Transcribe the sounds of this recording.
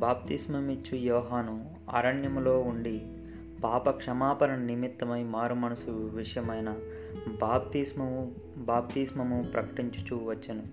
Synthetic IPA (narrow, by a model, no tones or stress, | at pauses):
baːp̚t̪ismɐmit͡ʃːujɔːɦaːnu | a̰ːɾɐɳjɐmlo̞ːuɳɖi | paːpɐkʂɐmaːpɐɾɐnɐnimit̪ːɐmɐjmaːɾumɐnɐsuʋiʂɐjɐmɐjnɐ | aːp̚t̪ismɐu | baːp̚t̪iːsmɐmupɾɐkɐʈiɲt͡ʃu̥t͡ʃuːʋɐt͡ʃːɐnu